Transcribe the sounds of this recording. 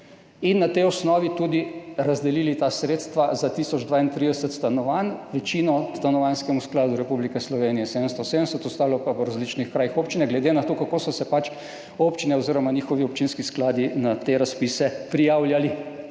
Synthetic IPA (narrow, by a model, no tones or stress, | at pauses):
inːat̪eɔsnɔːʋit̪ud̪iɾazd̪ɛlilit̪asɾeːt̪st̪ʋazat̪isɔd͡ʒd̪ʋaːint̪ɾid̪ɛsət̪st̪anɔʋanʋɛt͡ʃiːnɔst̪anɔʋanskɛmusklaːd̪uɾɛpublikɛslɔʋeːnijɛsed̪əmst̪ɔseːd̪mɛsɛt̪ɔst̪aːlɔpapɔɾazlit͡ʃnixkɾaːjixoːpt͡ʃinɛɡlɛd̪enat̪okakoːsɔsɛpat͡ʃ | oːpt͡ʃinɛɔziɾɔmanixɔʋiɔp̚t͡ʃinskisklaːd̪inat̪eɾaspisɛpɾijaːwljali